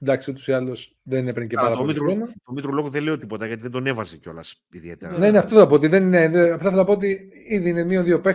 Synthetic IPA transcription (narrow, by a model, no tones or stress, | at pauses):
d̪ɐksiot̪u̥siɐlus | ðeninepɾiɲceɐɾɐpilonɐt̪omit̪ɾulokuðele̞ot̪ipo̞t̪ɐʝɐt̪iðend̪o̞ne̞vɐzeco̞lɐ̰s | iðie̞̰t̪ḛɾne̞neɐft̪oθɐt̪opot̪iðenineðeɐft̪θelɐɐpoot̪̬i | iðiinemioðio̞pe